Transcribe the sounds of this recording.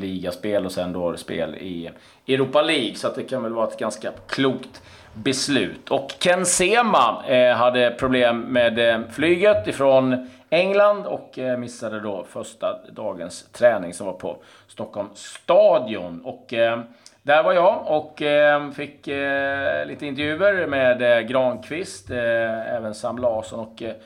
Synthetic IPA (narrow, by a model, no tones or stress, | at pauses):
liːɡaspeːlɔsɛnd̪ospḛːlɪ̰ | ɛɾuːpaliːɡsɔat̪̚d̪ɛkʰanvɛlvɑːɾaɛt̪̚ɡanskakʰluːkt̪ | bɛslʉ̟ːt̪ʰɔkʰːɛnseːmaɦad̪ːəpʰɾʊbleːmːeːd̪flyːɡət̪ɪfɾɔn | ɛŋland̪ɔkmɪsːad̪əd̪ɔfœʂʈad̪ɑːɡənst̪ʰɾɛːnɪŋsɔmvaɾpʰɔ̰ | st̪ɔkʰːɔlmst̪ɑːd̪ɪʊ̰nɔk | d̪æɾvaɾjɑːɔkːfɪkː | liːt̪əɪnt̪ɛɾvjʉ̟ːəɾmeːd̪ɡɾɑːnkʰvɪst̪ɛ̰ːvənsamlaɑːsɔnɔk